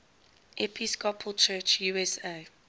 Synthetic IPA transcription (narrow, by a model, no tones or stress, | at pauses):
ʔɛpʰiskɔpʰəlˠt͡ʃʰɜːt͡ʃjuɛse